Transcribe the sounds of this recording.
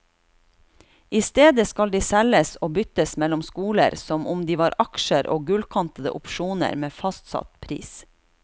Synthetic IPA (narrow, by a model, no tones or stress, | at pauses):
ɪst̪eːd̪əskɑld̪iːsɛləsoːbʏt̪əsmɛlʊmskuːlə̰ɾsɔmʔʊmd̪iːʋɑːɾʔɑkʃəɾʔo̰ːɡʉlkʰɑnt̪əd̪ə̰ʔʊpʃuːnə̰ɾmeːfɑst̪sɑ̰t̪pʰɾḭːs